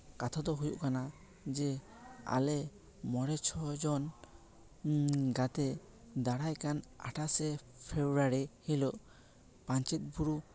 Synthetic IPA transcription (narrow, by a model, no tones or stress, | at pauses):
kat̪ʰad̪ɔɦujṵʔkana | d͡ʒɛ | a̰lɛ | mɔɾɛt͡ʃʰɔd͡ʒɔn | ɡat̪ɛ | d̪aɽajkana̰ʈʰasɛ | pʰebɾaɾihilɔʔ | paɲt͡ʃit̪̚ˀbuɾu